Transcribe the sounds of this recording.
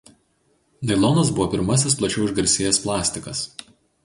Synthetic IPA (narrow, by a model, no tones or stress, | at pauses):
d̪ɐɪlˠɔːnɐs̬bʊʋɔːpʲɪɾmɐsʲɪsplˠɐt͡ʃʲɛʊɪʒɡɐɾʲsʲeːjɛsplˠɑːsʲt̪ʲɪkɐs